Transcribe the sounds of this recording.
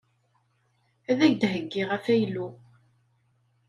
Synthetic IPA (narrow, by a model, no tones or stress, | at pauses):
æðæʝd̪həɡːɪʁæfæjlu